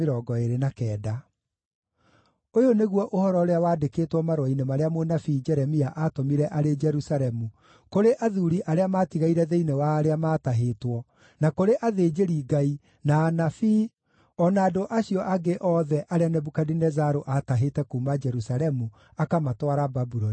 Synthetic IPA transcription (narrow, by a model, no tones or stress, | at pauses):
eɾɔɡɔeɾenakɛːda | ojoneɣwɔʔohɔɾɔɾeawaːdekeːtwɔmaɾwainemaɾeamonafid͡ʒɛɾɛmiaʔatomiɾɛʔaɾed͡ʒɛɾusaɾɛmu | koɾeʔaðuɾiʔaɾeamaːtiɣaiɾɛðeinewaɾeamaːtaɦeːtwɔ | nakoɾeʔaðed͡ʒeɾiɡai | naːnafi | ɔnaːdoʔaɕiɔʔaɡeʔɔðɛʔaɾeanɛbukadinɛzaɾoʔataɦetɛkuːmad͡ʒɛɾusalɛmu | akamatwaɾababuɾoni